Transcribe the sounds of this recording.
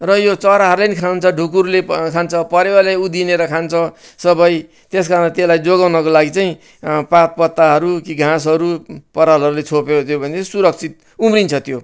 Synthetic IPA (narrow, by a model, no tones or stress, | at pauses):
rʌjot͡sʌɾaɦʌɾlenikʰɾawnt͡sʰʌɖʱukuɾulekʰant͡sʰʌpʌɾewaleud̪ineɾʌkʰant͡sʰʌ | sʌbʌj | t̪eskaɾnt̪elajd͡zoɡawnʌkolaɡit͡saĩ | pat̪̚pʌt̪ːaɦʌɾukiɡʱãs̬ʌɾupʌɾalɦʌɾulet͡sʰopeot̪ʰjobʱʌnesuɾʌk̚t͡sʰit̪̚ | umrint͡sʰʌt̪jo